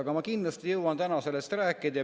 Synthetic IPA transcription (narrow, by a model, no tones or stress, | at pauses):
ɑɡ̥ɑmɑkind̪lɑst̪ijɤwɑnt̪ænɑselːest̪ræːkːˑed̪̥jɑ